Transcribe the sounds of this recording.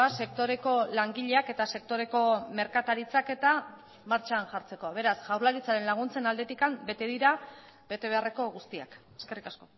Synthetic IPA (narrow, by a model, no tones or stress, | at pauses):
ase̞k̚t̪o̞ɾe̞ko̞laŋɡiʎe̞ake̞t̪ase̞k̚t̪o̞ɾe̞ko̞me̞ɾkat̪aɾit͡sake̞t̪a | maɾt͡ʃaːnʝaɾt͡se̞ko̞βe̞ɾasʝawɾlaɾit͡saɾe̞nlaɣ̞unt͡se̞nald̪e̞t̪ikambe̞t̪e̞ðiɾa | be̞t̪e̞β̞e̞are̞ko̞ɣust̪ia̰ke̞ske̞rikasko̞